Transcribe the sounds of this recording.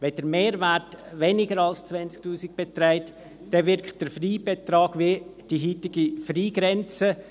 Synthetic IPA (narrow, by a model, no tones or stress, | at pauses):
ʋɛd̥əɾmeːɾvæɾtvɛnɪɡəɾɑlst͡svɛnt͡sk̚tuːsik̚b̥ɛtɾaɪt | d̥ɛʋɪɾkʰt̚d̥əɾfriːb̥et̪ɾɑːɡ̥vid̥iɦiːtɪɡifriːɡɾɛnt͡sə